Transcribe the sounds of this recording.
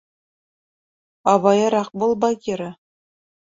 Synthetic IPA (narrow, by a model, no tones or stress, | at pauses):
ɑβɑjɤ̆ɾɑχbɤ̆lˠbɑɡʲiɾʲɘ̆